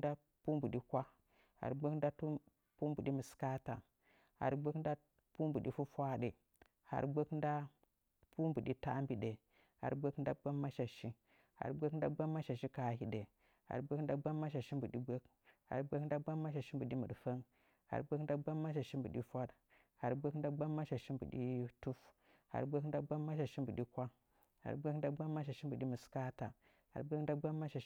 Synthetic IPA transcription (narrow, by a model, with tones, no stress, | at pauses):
da˦ | pu˦mbu˨ɗi˦kʷa˦ | ha̰˨ɾɡ͡be˦kn˦da˦tu˦ | pu˦mbu˨ɗi˦mu˨ska˦ta˨ | ha̰˨ɾɡ͡be˦kn˦da˦ | pu˦mbu˨ɗi˦fu˦fʷa˦ɗe˨ | ha̰˨ɾɡ͡be˦knda˦ | pu˦mbu˨ɗi˦ta˦mbi˨ɗe˨ | ha̰˨ɾɡ͡be˦knda˦ɡ͡ba˦mːa˦ʃa˨ʃi˦ | ha̰˨ɾɡ͡be˦kn˦da˦ɡ͡ba˦mːa˦ʃa˨ʃi˦ka˨hi˦ɗe˨ | ha̰˨ɾbe˦kn˦da˦ɡ͡ba˦mːa˦ʃa˨ʃi˦mbu˨ɗi˦bʷe˦k | ha̰˨ɾbe˦kn˦da˦ɡ͡ba˦mːa˦ʃ̬a˨ʃi˦mbu˨ɗi˦mu˨fa˦ŋ | ha̰˨ɾbʷe˦kda˦ɡ͡ba˦mːa˦ʃa˨ʃi˦mbu˨ɗi˦fʷa˦ɗ | ha̰˨ɾbe˦kn˦da˦ɡ͡ba˦mːa˦ʃa˨ʃi˦mbṵ˨ɗi˦tu˦f | ha̰˨ɾbʷe˦kn˦da˦ɡ͡ba˦mːa˦ʃ̬a˨ʃi˦mbu˨ɗi˦kʷa˦ | ha̰˨ɾbʷe˦kn˦da˦ɡ͡ba˦mːa˦ʃ̬a˨ʃi˦mbu˨ɗi˦mu˨ska˦ta˨ | ha̰˨ɾbʷe˦n˦da˦ɡ͡ba˦mːa˦ʃa˨